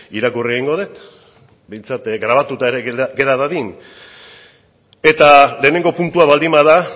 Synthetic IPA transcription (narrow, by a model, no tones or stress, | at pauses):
iɾakurieɣ̞iŋɡo̞ðet̪ | be̞jnt͡sat̪ɡɾaβ̞at̪ut̪aeɾeɡe̞ɾaðaðin | e̞t̪ale̞ːne̞ŋɡo̞punt̪uaβald̪imaða